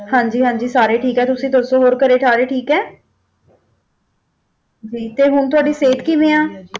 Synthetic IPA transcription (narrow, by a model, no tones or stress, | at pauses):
hãːɲd͡ʒiːɦãːɲd͡ʒiːsaːɾeːʈʰiːkɛːt̪ʊsĩːd̪oːsõːɦoːɾkəɾeːʈʰaːɾeːʈʰiːkɛː | d͡ʒiːt̪eːɦʊɳt̪̬ʊaːɖiːseːt̪kiːmẽːãː